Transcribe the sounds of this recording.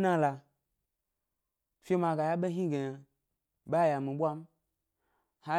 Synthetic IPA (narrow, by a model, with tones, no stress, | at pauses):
nã˦la˨ | fʲe˦ma˧ɡa˨ja˦ɓe˦ɦĩ˦ɡe˨ | ɓa˦˨ja˨mĩ˨ɓʷa˦m̩˦ | ha˨